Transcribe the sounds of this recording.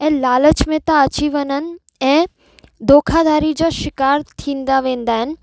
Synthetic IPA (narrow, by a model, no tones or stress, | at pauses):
ɛ̃ːlaːlət͡ɕmẽt̪ãɐt͡ɕiʋɐnənɪ̆ | ɛ̃ː | d̪oːkʰad̪aːɾid͡ʑaʃɪkaːɾt̪ʰĩːnd̪aʋẽːnd̪aːɦɪnɪ̆